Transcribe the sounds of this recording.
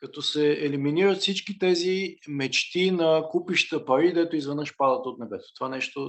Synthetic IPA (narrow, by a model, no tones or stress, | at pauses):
kɐt̪ɔsɛɛliminiɾət̪fsit͡ʃkit̪ɛzimɛt͡ʃt̪inɐkupiʃt̪əpɐɾid̪ɛt̪ʊizvɛnəʃpad̪ət̪ot̪nɛbɛt̪o̥t̪ovanɛʃt̪o